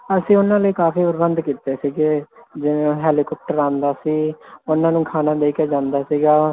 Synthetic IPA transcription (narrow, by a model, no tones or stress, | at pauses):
əsĩːʊnːãːləiːkaːpʰiːpɾəbənd̪kiːt̪eːsiːɡeːd͡ʒɪnẽɦɛːliːkɔːp̚ʈəɾãːnd̪aːsiːʊnãːnũːkʰaːnaːd̪eːkeːd͡ʒãːnd̪aːsiːɡaː